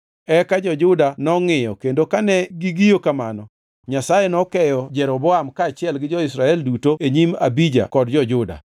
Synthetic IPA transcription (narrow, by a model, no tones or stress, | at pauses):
ɛkad͡ʒɔd͡ʒʊdanɔŋɪjɔkendokanɛɡiɡijokamanɔ | ɲasajenɔkɛjɔd͡ʒɛɾɔbɔamkaːt͡ʃɪɛlɡɪd͡ʒɔɪsɾaɛldutoeɲima̰bid͡ʒa̰kɔdd͡ʒɔd͡ʒʊda̰